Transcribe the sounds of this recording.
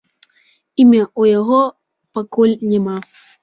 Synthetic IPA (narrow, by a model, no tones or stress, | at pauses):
imaʔojaɦo | pakolɲema